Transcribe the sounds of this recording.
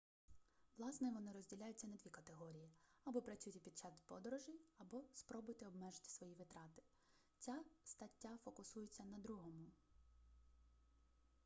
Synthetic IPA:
ʋlˠɑsnɛʋɔnɪɾɔzʲdʲilʲajʊt͡sʲːɐnɐd̪ʲʋʲikɐt̪eɦɔɾʲijiɐbɔpɾɐt͡sʲujt̪ʲɪpʲid̪̚t͡ʃɑsʲpɔd̪ɔɾɔʒɪjɐbɔspɾɔbʊjt̪ɪɔbmɛʒɪt̪ɪ̥sʋɔjiʋɪt̪ɾɑt̪ɪ̥ | t͡sʲast̪ɐtʲːafɔkʊsujʊt͡sʲːɐnɐd̪ɾuɦɔmʊ

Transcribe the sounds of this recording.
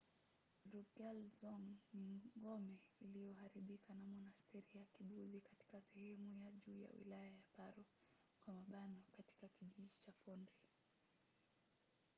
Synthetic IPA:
ɾukɛlzɔŋniŋɡɔmɛilijɔhaɾiɓikanamɔnastɛɾijakiɓuðikati̥kasɛhɛmujaʄuːja̰wḭlajajapaɾɔ | kwamaɓanɔkati̥kakiʄiʄit͡ʃafɔndi

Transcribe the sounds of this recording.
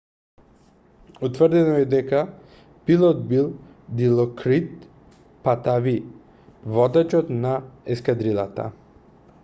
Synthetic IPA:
ut̪vrd̪ɛnamɛd̪ɛka | pilˠɔt̪bilˠ | d̪ilˠɔkɾit̪ | pat̪avi | vɔd̪at͡ʃɔt̪naɛskad̪ɾilˠa̰t̪a̰

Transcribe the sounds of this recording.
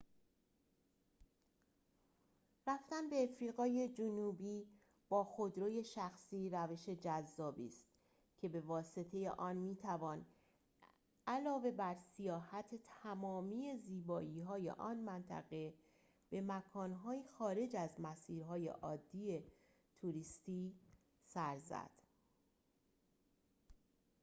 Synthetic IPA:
ræft̪ænbe̞ːfɾiːɣɒːje̞d͡ʒonuːbiː | b̥ɒːxo̞d̪ɾoːje̞ʃæxsiːɾæve̞ʃe̞d͡ʒæzːɒːbḭːst̪ | cʰe̞be̞vɒːse̞t̪ʰe̞je̞̰ʔɒːnmiːt̪ʰævɒːn | ælɒːve̞bæɾsijɒːhæt̪ʰet̪ʰæmɒːmiːe̞ziːbɒːʔiːɦɒːje̞̰ʔɒːnmænt̪ʰæ̰ɣe̞ | b̥e̞mækʰɒːnɦɒːjixɒːɾe̞d͡ʒæzmæsiːɾɦɒːje̞̰ʔɒːd̪ːiːe | t̪ʰuɾiːst̪iː | sæɾzæ̰d̪̥

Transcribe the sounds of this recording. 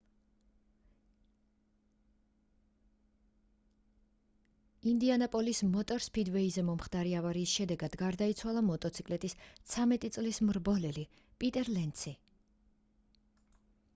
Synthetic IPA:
ind̪ianapʼɔlismɔt̪ʼɔɾspʰid̪vɛizɛmɔmχd̪aɾiavaɾiːsʃɛd̪ɛɡad̪ɡaɾd̪ait̪sʰwalˠamɔt̪ʼɔt̪sʰikʼlɛt̪ʼist̪sʰamɛt̪ʼit̪sʼlismɾbɔlɛli | pʼit̪ʼɛɾlɛnt̪sʰi

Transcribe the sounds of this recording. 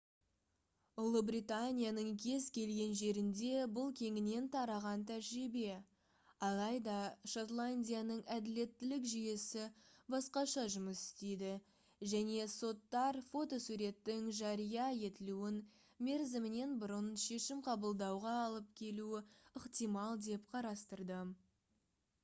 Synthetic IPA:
ʊlˠəbɾit̪anʲijanəɴkʲʰe̞zkʲʰe̞lɡʲe̞nʒe̞ɾɪnd̪e̞bʊlˠkʲʰe̞ŋɪne̞nt̪ʰɑɾɑʁɑnt̪ʰæʒɾibe̞ | ɑlˠɑjd̪ɑʃot̪lˠanʲdʲijanəɴæd̪ɪle̞t̪ːɪlɪkʒije̞sɪbɑsqɑʃɑʒʊməsɪ̥st̪e̞jd̪ɪ | ʒæne̞so̞t̪ːɑɾfo̞t̪o̞suɾe̞t̪ːɪŋʒɑɾijɑje̞t̪ɪluɪn | me̞ɾzɪmɪne̞nbʊɾənʃe̞ʃɪmqʰɑbəlˠd̪ɑwʁɑːlˠəp̚kʲʰe̞luɪəqt̪ijmɑlˠd̪e̞pqʰɑɾɑst̪əɾd̪ə

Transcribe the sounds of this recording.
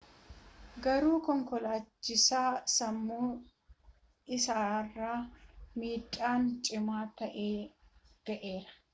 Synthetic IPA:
ɡɐɾuːkɔŋkɔlaːt͡ʃːɪsaːsɐmːuː | ɪsaːrːaːmiːtʼːaːnt͡ʃʼɪmaːt̪ɐʔeːɡ̥ɐʔe̞ːɾɐ̥

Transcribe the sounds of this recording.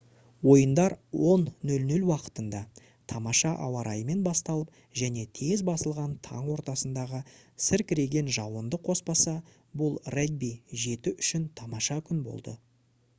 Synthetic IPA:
wo̞jənd̪ɑɾwo̞nːɵlnʏlwɑqə̥t̪ənd̪ɑ | t̪ʰɑmɑʃɑʔɑ̰wɑɾʔɑjəme̞nbɑst̪ɑlˠəp̚ | ʒæne̞t̪ʰe̞zbɑsəlˠʁɑnt̪ʰɑ̰ɴwo̞ɾt̪ɑsənd̪ɑʁəsɪɾkʲɪɾe̞ɡʲe̞nʒɑwənd̪əqʰo̞spɑsɑ | bʊlˠreɡ̚biʒe̞t̪ɪʔʏʃɪnt̪ʰɑmɑʃɑkʲʰʏnbo̞̰lˠd̪ə̰

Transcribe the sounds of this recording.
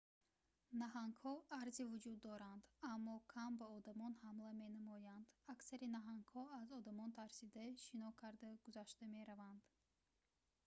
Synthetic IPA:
naɦaŋɡhɔaɾzivud͡ʒud̪ːɔɾand̪amːɔkʰambaɔd̪amɔnhamlame̞namɔjand̪aksaɾinaɦaŋɡhɔazɔd̪amɔnt̪ʰaɾsid̪aʃinɔkʰaɾd̪aɡ̥uzaʃt̪ameɾavand̪̥

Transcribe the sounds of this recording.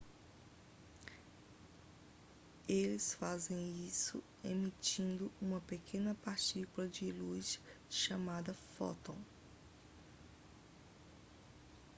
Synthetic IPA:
elɪsfazẽj̃isʊ̰ | emit͡ʃĩnd̪ʊũmɐpekʰẽnɐpaɾt͡ʃikulɐd͡ʒɪlujsʃamad̪ɐfɔ̰t̪õw̃

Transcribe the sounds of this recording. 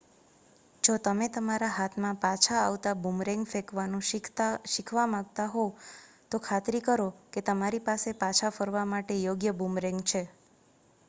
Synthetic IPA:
d͡ʒot̪əmet̪əmaɾaɦat̪ʰmãpat͡ʃʰaːʋt̪abumɾɛ̃ŋɡfekʋanũʃɪkʰʋamãɡ̚t̪aɦo | t̪okʰat̪ɾikəɾoket̪əmaɾipasepat͡ʃʰafəɾʋamaʈejoɡjəbumɾɛ̃ŋɡt͡ʃʰe

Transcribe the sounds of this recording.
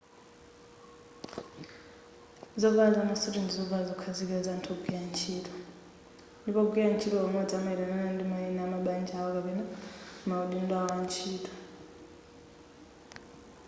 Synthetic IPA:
zɔvazamasɛɾɛnd͡zizɔvazɔkʰad͡zikazantʰɔɡijant͡ʃʰiːtʰʼɔ̥ | ndipɔɡijant͡ʃʰitɔɔmɔd͡zamaiɾananandimainɛamaɓand͡ʒawɔkapɛnamauɗindwawant͡ʃʰiːtʰʼɔ̥

